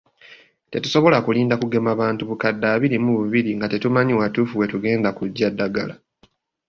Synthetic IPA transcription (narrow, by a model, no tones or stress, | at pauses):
tetu̥so̞βo̞lakuliːndakuɡe̞maβaːntuβukadːaːβiɾimuβuβiɾiŋɡate̞tumaɲiwatufuwe̞tuɡe̞ːndakuɟːadːaɡala